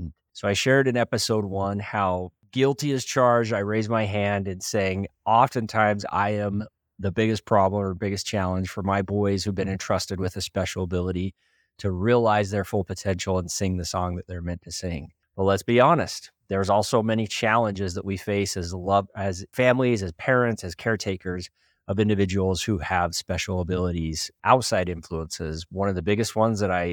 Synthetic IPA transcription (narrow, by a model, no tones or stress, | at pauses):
soʊaɪʃɛɹɾɨ̃nɛpɨsoʊd̚wʌ̃nhaʊ | ɡɪlˠtiɨz̥t͡ʃʰɑɹd͡ʒdaɪɹeɪzmaɪɦæ̃ndɨ̃nseɪɪ̃ŋɑfɨ̃ntʰãɪ̃mza̰ɪɨ̃m | ðɨbɪɡɨspʰɹ̥ɑblə̃mə˞bɪɡɨst͡ʃʰælˠə̃nʒ̥fə˞maɪbɔɪz̥hʉvbɨ̃nɨ̃ntʰɹ̥ʌstɨd̚wɨðɨspɛʃl̩ˠəbɪlˠəɾi | ɾɨɹiəlaɪzðə˞fʊlˠpʰɨtʰɛ̃nʃl̩ˠə̃nsɪ̃ŋðɨsɔ̃ŋðɨt̪̚ðə˞mɛ̃ntʰɨsɪ̃ŋ | b̥ʌtˡlətsb̥iɑnɨst̪̚ | ðə˞zɔlˠsoʊmɛñit͡ʃʰælˠə̃nd͡ʒɪzðəʔ̚wifeɪsɨzlʌvɨz̥fæ̃mlizɨz̥pʰɛɹɨ̃ntsɨz̥kʰɛɹtʰeɪkʰə˞z | ʌvɪ̃ndɨvɪd͡ʒəwl̩ˠz̥huɨv̥spɛʃl̩ˠəbɪlˠəɾiz̥ʔaʊtsaɪɾɪ̃ɱfluə̃nsɪzwʌ̃nʌvðɨbɪɡɨst̚wʌ̃nzðɨɾaɪ